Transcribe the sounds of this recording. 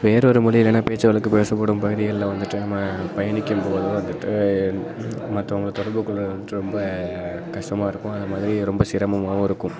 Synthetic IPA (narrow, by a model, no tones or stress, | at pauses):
ʋeːɾɔɾɯmʊɭɐjɪlːɐnːaːpeːt͡ʃːɐʋɐɭɯkːɯpeːsɐpːoːɽɯmpɐɣɯðɪɣɐɭlɐʋɐnd̪ɯʈːɯnɐmːɐpɐjɐɳɪkʲːɯmpoːðɯʋɐnd̪ɯʈːɯ | mɐt̪ːɐʊŋɡɐɭt̪ɔɽɐɾbɯkːɯɭɯlɐʋɐnd̪ɯʈːɯɾɔmbɐ | kɐʂʈɐmaːɪɾɯkːʊ̃ɐðɐmaːðɪɾiɾɔmbɐsɪɾɐmɐmaːʋʊ̃ɪɾɯkːʊ̃m